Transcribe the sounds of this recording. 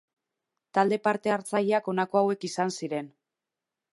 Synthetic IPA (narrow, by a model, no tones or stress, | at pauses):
t̪ald̪e̞paɾt̪e̞aɾt͡saʎeako̞nako̞awe̞kisansiɾe̞n